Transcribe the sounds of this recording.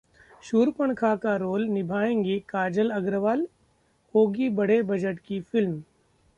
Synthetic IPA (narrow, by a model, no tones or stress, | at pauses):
ʃuːɾpəɳ̃kʰakaɾoːlnɪbʱaːẽːŋɡikaːd͡ʒəlɐɡɾəʋaːl | oːɡibɐɽ̤ebɐd͡ʒəʈkifɪlm